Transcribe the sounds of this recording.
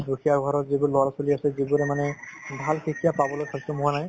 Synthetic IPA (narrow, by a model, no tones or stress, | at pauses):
duxʰijaɡʱɔɹɔzibʊlɔasoliasɛzibuɾɛmanɛbʱalxʰikʰijapabɔlojkʰabisɔmuwanaj